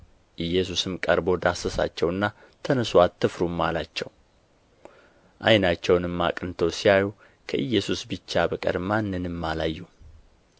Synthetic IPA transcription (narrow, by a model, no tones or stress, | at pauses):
ʔɨjːɛsusɨmkʼəɾbo̞d̪asəsa̰t͡ʃːɛwɨnːa | t̪ʰənəswat̪ʰːɨfɾumːalat͡ʃːɛ̰w | ʔajnat͡ʃːɛwnɨmːa̰kʼnt̪ʰəwsiaju | kʰəʔɨjːɛsusbɨt͡ʃːabəkʼə̰ɾmanːɨnɨmːalajːu